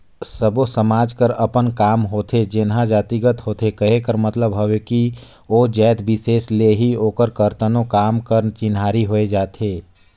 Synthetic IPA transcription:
səbosəmaːd͡ʒkəɾɐpənkaːmɦoːt̪ʰed͡ʒɪnɦãd͡ʒaːt̪iɡət̪ɦoːt̪ʰekɐɦekəɾmɐt̪ləbɦoʋeki | oːd͡ʒɛːt̪ʰbɪseːsleɦioːkəɾkɐɾt̪ənõkaːmkəɾnt͡ʃɪnɦaːɾiɦoːed͡ʒaːt̪ʰeː

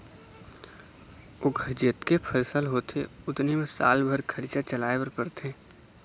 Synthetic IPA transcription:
oːɡʱəɾd͡ʒɪt̪kepʰəsəlɦoːt̪ʰḛʊt̪nimẽsa̰ːlbʱəɾkʰəɾt͡ʃat͡ʃəlaːebəɾpəɾt̪ʰeː

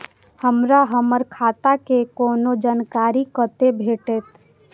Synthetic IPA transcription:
həmɾaɦəməɾkʰaːt̪akekoːnod͡ʒankaːɾikət̪ebʱeːʈet̪

